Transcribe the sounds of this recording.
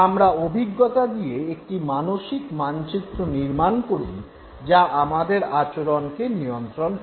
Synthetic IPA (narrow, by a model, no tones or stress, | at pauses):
amɾaobʱiɡːot̪ad̪ijeek̚ʈimanoʃikmant͡ɕit̪ːɾoniɾmankoɾṵn | d͡ʑaʔamad̪eɾat͡ɕoɾonkenijont̪ɾon